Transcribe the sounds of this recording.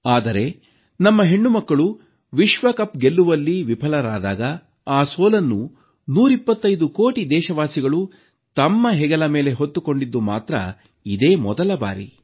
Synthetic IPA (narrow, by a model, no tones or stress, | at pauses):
aːd̪ɐɾe̞ | nɐmːɐɦe̞ɳːumɐkːɐɭu | ʋiʃʋɐkɐpɡe̞lːuʋɐlːiʋipʰɐlɐɾaːd̪aːɡɐ | aːsoːlɐnːu | nuːɾipːɐt̪ːɐjd̪ukoːʈid̪ɛːʃɐʋaːsiɡɐɭu | t̪ɐmːɐɦɛɡɐlɐme̞ːle̞ɦot̪ːuko̞ɳɖid̪ːumaːt̪ɾɐ̰ | id̪e̞ːmɔd̪ɐlɐba̰ːɾḭ